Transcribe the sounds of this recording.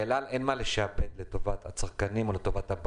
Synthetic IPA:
elale̞nmaleʃaabet̪leto̞vat̪hat͡saʁkanimo̞leto̞vathab

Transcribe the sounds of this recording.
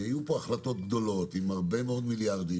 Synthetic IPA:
hajupo̞aχlat̪o̞t̪ɡd̪o̞lo̞t̪imaʁbe̞meo̞d̪miljaʁd̪i

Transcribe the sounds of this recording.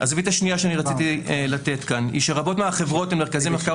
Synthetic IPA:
ʔazvit̪aʃnijaʃeaniʁat͡sit̪ilat̪e̞t̪kanḭʃeʁabotmeaχevʁo̞temeʁkazimeka

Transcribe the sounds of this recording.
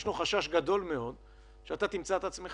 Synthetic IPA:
ʃnuχaʃaʃɡad̪o̞lme̞o̞d̪ | ʃeat̪at̪imt͡saet̪at͡ssme̞

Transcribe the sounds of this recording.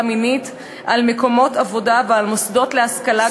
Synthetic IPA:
minit | ʔalmeko̞mo̞tavo̞davealmosdo̞tleaskala

